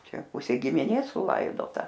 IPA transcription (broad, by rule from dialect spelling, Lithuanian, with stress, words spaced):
ˈt͡ʃʲɛ ˈpʊsʲeː ɡʲɪmʲɪˈnʲeːs sʊˈlˠɐɪdoːtɐ